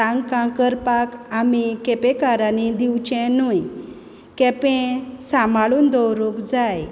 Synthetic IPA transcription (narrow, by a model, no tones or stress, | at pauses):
ãŋɡkãkəɾpakamikɛpẽkaɾanid̪iwt͡ɕɛ̃nuj | kɛpẽsãmaɭuːnd̪ɔwɾukd͡zaj